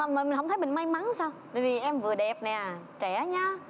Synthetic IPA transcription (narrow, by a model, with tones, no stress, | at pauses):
mː˨˩mi̟˨˩ɦə˧wŋ͡mt̪ʰə˨˦mi˨˩ŋma˧jma˨˦ŋsaː˧wt̪a̰ː˨˩jvi˨˩ʔɛ˧mvɨ˨˩əɗɛ˨˩p̚nɛ˨˩ | t͡ɕɛ˧˩ɲa˧